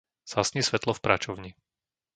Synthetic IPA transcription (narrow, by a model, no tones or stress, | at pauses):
z̥asɲisʋɛt̪lɔfpɾat͡ʃɔʊɲi